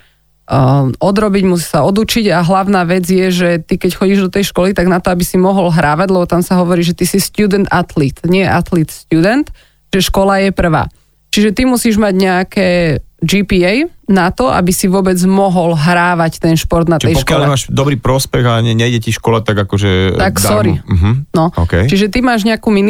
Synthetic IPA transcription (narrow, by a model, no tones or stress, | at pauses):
ʔɔd̪ɾɔbiɟmus̬i̥saɔd̪ut͡ʃiɟaɦlaʊnaːʋɛd͡zjɛʒɛt̪ikɛcxɔɟiːʒd̪ɔt̪ɛjʃkɔlit̪aɡnat̪ɔabisimɔɦɔlɦɾaːʋaɟlɛbɔt̪amsaɦɔʋɔɾiːʒɛt̪isist̪juːd̪ɛnt̪at̪lit̪ɲɪɛjɛʔat̪lit̪st̪juːd̪ɛnt̪ | ʒɛʃkɔlajɛpr̩ʋa̰ː | t͡ʃiʒɛt̪imusiːʒmaɟɲɛakɛːd͡ʒiːpiɛjnat̪ɔʔa̰bisiʋʊɔbɛd͡zmɔɦɔlɦɾaːʋact̪ɛnʃpɔɾd̪nat̪ɛjɔʃkalɛmaːʃd̪ɔbɾiːpɾɔspɛɣaɲɛɲɛjɟɛciʃkɔlat̪aɡakɔʒɛt̪aksɔɾim̩ɦ̩nɔɔ̰kɛjt͡ʃiʒɛt̪imaːʒɲɛakuːmin